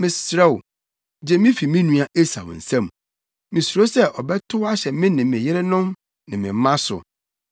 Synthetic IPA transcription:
mɪ̃˨ssɾɛ˦˨w | d͡ʑɛ˨˦mĩ˦fi˨mĩ˦nũ˦a˨ʔe˦sa̰˨w̰n̩˨sã˦m˨ | mĩ˨su˨ɾo˦sɛ˦ʔɔ˨bɛ˦tʰʊ˦wa˦ɕɛ˨mɪ̃˦nɪ̃˨mɪ̃˨jɪ˦ɾɪ˦nʊ̃˦m | nɪ̃˨mɪ̃˨m˦mã˦sʊ̰˨

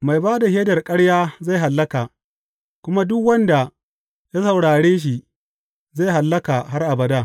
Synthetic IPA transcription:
ma˨jbaː˦da˨heː˦dɐ˨rkʼɐ˦ɽjaː˦za˦˨jɦa˨lːɐ˦kaː˨ | kʷʊ˦ma˦dʊ˦kwɐ˦nda˨ | ja˦sɐ˨wɽaː˨ɽeː˦ʃ̬i˨ | za˦˨jɦa˨lːɐ˦ka˨ɦa˦rʔa˨bɐ˨daː˦˨

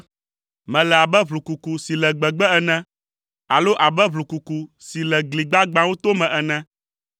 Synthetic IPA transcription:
mɛ̃˨lɛ˨a˨bɛ˦βlu˨ku˨ku˨si˨lɛ˨ɡ͡bɛ˨ɡ͡bɛ˦ɛ˦nɛ̃˦ | a˨lo˦ʔa˨bɛ˦βlu˨ku˨ku˨si˨lɛ˨ɡli˨ɡ͡ba˦ɡ͡bã˦wo˦t̪o˦mɛ̃˨ʔɛ˨nɛ̃˦

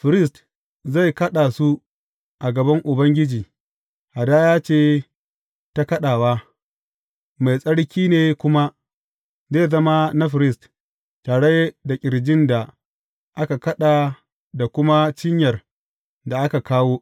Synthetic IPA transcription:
ɸɪ˨ɾɪ˦st | za˦˨jkɐ˦ɗaː˨su˦ | ʔa˨ɡɐ˨bɐ˦ŋʔʊ˨bɐ˦ŋɡʲɪ˦d͡ʒiː˨ | ha˨daː˦jaː˦t͡ʃeː˦˨ | ta˦kɐ˦ɗaː˨waː˦ | ma˨jsʼɐ˦ɽkʲiː˦neː˨kʷʊ˦ma˦ | zeː˦˨zɐ˦ma˦na˦ɸɪ˨ɾɪ˦st | taː˨ɽe˦jda˨kʲʼɪ˨ɽd͡ʒɪ˦nda˨ | ʔa˦ka˨kɐ˦ɗaː˨ | da˨kʷʊ˦ma˦t͡ʃɪ˦ɲjɐ˨r | da˨ʔa˦ka˨kaː˦woː˦

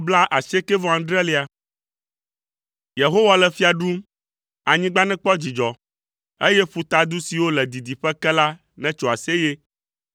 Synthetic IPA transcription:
bla˦ʔa˨se˦kɛ˦vɔ˨ã˨˦ɖ̪ɾɛ˦le˨a˨ | je˨ɦo˦wa˨lɛ˨fi˦a˨ɖu˦m | a˨ɲĩ˦ɡ͡ba˦nɛ̃˦k͡pɔ˦d͡ʑi˨d͡ʒɔ˨ | e˦jɛ˦ɸu˨t̪a˦d̪u˦si˨wo˦lɛ˨d̪i˨d̪i˨ɸɛ˦kɛ˦la˦ | nɛ̃˦t͡ʃo˨a˨se˦je˦

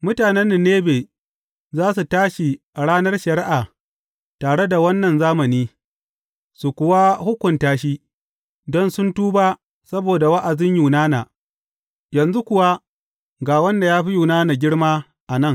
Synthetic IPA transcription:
mʊ˦taː˨nɛ˦nːi˨nːeː˦beː˨ | zaː˦s̬u˨taː˦ʃi˨ | ɽaː˦nɐ˦rʃɐ˨ɾɪ˦ʔa˨ | taː˨ɽe˦da˨wɐ˦nːɐ˨nzaː˦mɐ˨niː˦ | su˨kʷʊ˨wa˦hʊ˦kʷʊ˨ntaː˦ʃ̬i˦ | dɔ˦nsʊ˦ntuː˦baː˦ | sɐ˦boː˨da˨wa˦ʔa˨zɪ˦ɲjuː˨naː˦na˨ | jɐ˨nzu˦kʷʊ˨wa˦ | ɡaː˨wɐ˦nda˨jaː˦ɸi˦juː˨naː˦na˨ɡʲɪ˦ɽmaː˦ | ʔa˨nɐ˦ŋ

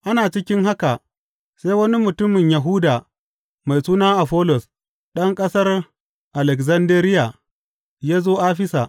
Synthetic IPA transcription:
ʔa˦naː˨t͡ʃɪ˦kʲɪ˦ŋɦa˦ka˨ | sa˦jwɐ˦ni˦mʊ˨tʊ˦mɪ˨ɲja˨ɦʊ˦daː˨ | ma˨jsuː˦naː˦ʔa˨ɸɔː˦lɔ˨s | ɗɐ˦ŋkʼɐ˦sɐ˦r | ʔa˨lɛ˨kzɐ˦ndeː˦ɾɪ˦ja˨ | jaː˦zoː˦ʔaː˦ɸɪ˦sa˨ʔ

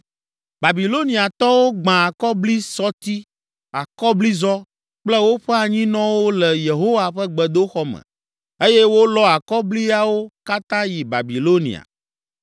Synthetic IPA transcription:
ba˨bi˨lo˦nĩ˨a˨t̪ɔ˦wo˦ɡ͡bã˨a˨kɔ˦bli˦sɔ˦t̪i˦ | a˨kɔ˦bli˦zɔ˦ | k͡plɛ˦wo˦ɸɛ˦a˨ɲĩ˦nɔ̃˦wo˦lɛ˨je˨ɦo˦wa˨ɸɛ˦ɡ͡bɛ˨d̪o˦xɔ˦mɛ̰̃˨ | e˦je˦wo˦lɔ˦a˨kɔ˦bli˦a˦wo˦ka˦t̪ã˦ji˨ba̰˨bi˨lo˦nḭ̃˨a̰˨

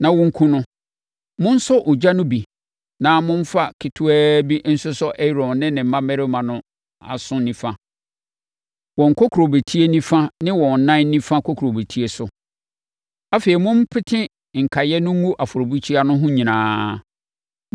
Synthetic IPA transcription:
nã˨wʊ̃˦ŋ̩˦kʰũ˦nʊ̃˦ | mʊ̃˦n̩˦sʊ˦ʔʊ˨d͡ʑa˦nʊ̃˦bi˨ | nã˨˦mʊ̃˦m˦fa˦kʰɪ˨tʰʊ˦ɛː˦bi˦n̩˦sʊ˦sɔ˦ʔɛ˦˨ɾɔ̃˨nnɪ̃˦nɪ̃˨m̩˨mã˦mɛ˦ɾɪ˦mã˨nʊ̃˦ | a̰˨sʊ̃˦nĩ˦fã˦ | wɔ̃˨ŋ̩˨kʰɔ˦kʰu˨ɾo˨be˨tʰi˦e˦nĩ˦fã˦nɪ̃˦wɔ̃˨n̩˨nã˦n̩˦nĩ˦fã˦kʰo˦kʰɾo˨be˨tʰi˦e˨sʊ˨ | a˦fe˨i˨mʊ̃˦m˦pʰɪ˦tʰɪ̃˦ | ŋ̩˨kʰa˨jɛ˦nʊ̃˦ŋ̩˦ũ˦ʔa˨fʊ˨ɾo˨bu˦t͡ɕʰi˦a˦nʊ̃˦ɦʊ̃˦ɲĩ˨nãː˨˦

